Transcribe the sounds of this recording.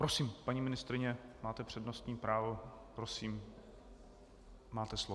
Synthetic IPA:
pɾosiːmpaɲiːmɪnɪst̪ɾɪɲɛmaːt̪ɛpr̝̥ɛdnost̪ɲiːpɾaːvopɾosiːm | maːt̪ɛslo

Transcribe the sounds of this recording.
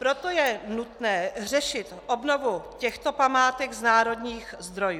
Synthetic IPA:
pɾot̪ojɛnut̪nɛːrɛʃɪt̪ʔobnovucɛxt̪opamaːt̪ɛɡznaːɾo̞d̪ɲiːxzd̪ɾo̞juː

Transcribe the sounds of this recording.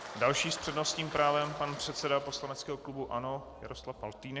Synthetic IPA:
dalʃiːspr̥ɛdnost̪ɲiːmpɾaːvɛmpanpr̝̥ɛt̪sɛdapo̞slanɛt͡skɛːɦoklubuʔano̞ja̰ɾo̞slafalt̪iːn

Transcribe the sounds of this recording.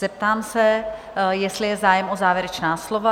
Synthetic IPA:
zɛp̚t̪aːmsɛ | jɛst̪lɪjɛzaːjɛmʔo̞zaːvjɛɾɛt͡ʃnaːslo̞va

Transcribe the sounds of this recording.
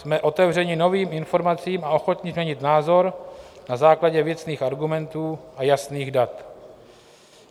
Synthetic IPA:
smɛʔo̞t̪ɛvr̝ɛɲɪno̞viːmɪnfo̞ɾmat͡siːmao̞xo̞t̪ɲɪzmɲɛɲɪt̪naːzo̞ɾnazaːklaɟɛvjɛt͡sniːxʔaɾɡumɛnt̪uːʔajasniːɣdat̪

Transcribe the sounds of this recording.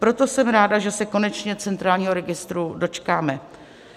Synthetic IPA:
pɾo̞t̪o̞sɛmɾaːdaʒɛsɛko̞nɛt͡ʃɲɛt͡sɛnt̪ɾaːlɲiːɦoɾɛɡɪst̪ɾudo̞t͡ʃkaːmɛ

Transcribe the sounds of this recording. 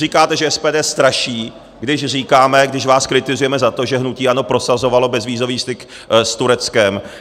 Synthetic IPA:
riːkaːt̪ɛʒɛɛspɛːdɛːst̪ɾaʃiː | ɡdɪʃr̝iːkaːmɛɡdɪʃvaːskɾɪt̪ɪzujɛmɛzat̪o̞ʒɛɦnuciːʔanopɾo̞sazo̞valo̞bɛzviːzo̞viːst̪ɪk | st̪uɾɛt͡skɛm

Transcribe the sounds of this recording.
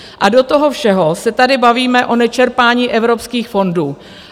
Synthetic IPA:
ʔado̞t̪oɦo̞fʃɛɦo̞sɛt̪adɪbaviːmɛʔo̞nɛt͡ʃɛɾpaːɲiːʔɛvɾo̞pskiːxfo̞nduː

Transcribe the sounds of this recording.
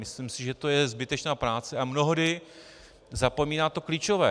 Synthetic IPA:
mɪslimsɪʒɛt̪o̞jɛzbɪt̪ɛt͡ʃnaːpɾaːt͡sɛamno̞ɦodɪ | zapo̞miːnaːt̪o̞kliːt͡ʃo̞vɛː

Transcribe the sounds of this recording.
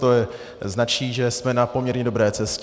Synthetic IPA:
t̪ojɛ | znat͡ʃiːʒɛsmɛnapo̞mɲɛɾɲɛdo̞bɾɛːt͡sɛsc

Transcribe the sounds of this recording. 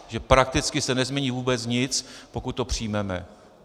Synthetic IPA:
ʒɛpɾak̚t̪ɪt͡skɪsɛnɛzmʲɲɛɲiːvuːbɛt͡sɲɪt͡spo̞kut̪̚ːopr̥ijmɛmɛ̰

